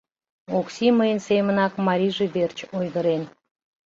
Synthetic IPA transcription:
oksʲiməjənsemənɑkmɑɾʲiʒeβert͡ɕojɣəɾen

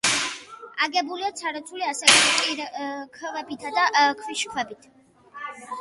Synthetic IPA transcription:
aɡɛbuliat̪sʰaɾɔt̪sʰuliasɛkkʼiɾkʰvɛbit̪ʰad̪aʔkʰwiʃkʰwɛbit̪ʰ

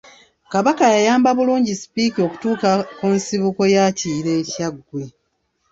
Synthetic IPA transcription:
kaβakajajaːmbaβuluːɲɟisi̥piːkio̞ku̥tuːkakunsiβuko̞jaːciːɾe̞ːcaɡwe̞

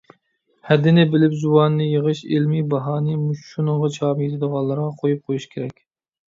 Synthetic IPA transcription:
hɛd̪ɪnɪbɪlɪpzuwɑnːɨjəʁɨʃelmibɑɦɑːnɨmuʃʃunɨŋʁɑt͡ʃʰɑːmjet̪ʰɪd̪əʁɑnˠːɨɾʁɑqʰojup̚qʰojuʃkʲʰeɾɛkʲ

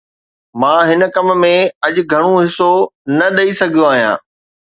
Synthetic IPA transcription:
mãːɦɪnkɐmmẽɐʄɡʱɐɽ̃oɦɪsonɐɗɐisɐɡʱijoaːɦijã̰ː

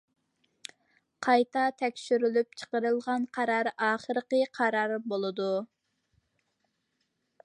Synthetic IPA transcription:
qʰɑjt̪ʰɑt̪ʰɛkʲʃyɾylyp̚t͡ʃʰə̥qəɾɨlˠʁɑnqʰɑɾɑɾɑːχəɾəqəqʰɑɾɑɾbolˠɨd̪u

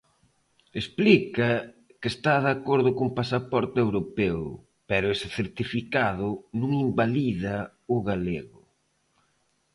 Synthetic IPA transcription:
esplikɐ | kest̪aðakoɾðʊkuŋpasapɔɾt̪ɪewɾopɛw | pɛɾʊesɪθeɾt̪ifikaðʊnũŋimbaliðɐ | ʊɣaleɣʊ

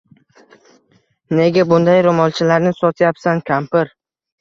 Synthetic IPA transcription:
ne̞ɡʲabʊnd̪ajɾʊmɒlˠt͡ʃʰɪlaɾnɪsɒt̪ʰjapsankʲʰampɪɾ

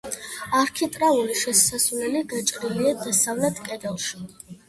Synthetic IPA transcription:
aɾkʰit̪ʼɾauliʃɛsasvlɛliɡat͡ʃʼɾiliad̪asavlɛt̪ʰkʼɛd̪ɛlˠʃi

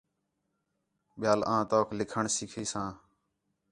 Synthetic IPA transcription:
ɓɪjaːlãːt̪oːkʰlɪkʰəɳsɪkʰiːsãː

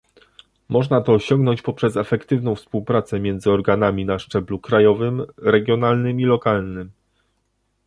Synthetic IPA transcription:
mɔʐnat̪ɔːɕɔŋɡnɔɲt͡ɕpɔpʂɛsɛfɛkt̪ɘvn̪ɔ̃w̃fspuwpɾat̪sɛmʲjɛnd̪zɘɔɾɡanamʲinaʂt͡ʂɛblukɾajɔvɘmɾɛɡʲjɔnalnɘmilɔkalnɘm

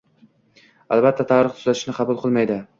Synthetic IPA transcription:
a̰lˠbat̪ʰːat̪ʰaɾɨχt̪ʰʊ̥zat̪ɪʃnɪqʰɑbʊlˠqʰɨlˠmajd̪ɪ

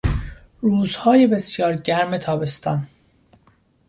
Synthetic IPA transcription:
ɾuːzhɒːje̞be̞sjɒːɾɟæɾme̞t̪ʰɒːbe̞st̪ɒːn

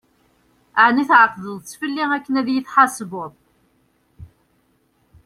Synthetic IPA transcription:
ʕniθʕqðˤəðˤt͡sːfəlːiŋækːənæðjəθħɑsboðˤ

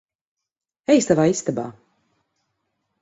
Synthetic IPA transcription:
ɛjst̪avaːist̪aba̰ː

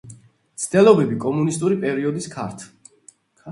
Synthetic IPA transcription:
t̪sʰd̪̥ɛlˠɔbɛbikʼɔmunist̪ʼuɾipʼɛɾiɔd̪iskʰa̰ɾt̪ʰ

